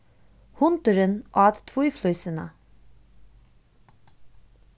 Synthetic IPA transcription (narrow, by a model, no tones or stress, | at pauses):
hʊnt̪əɾənʔɑːt̪t̪ʰʋuʏflœʏsənə̰